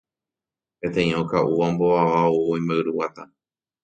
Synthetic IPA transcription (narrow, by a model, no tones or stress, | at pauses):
pẽ̞t̪ẽj̃õkaʔuʋamboaʋaoːj̃mbaɨɾuwat̪a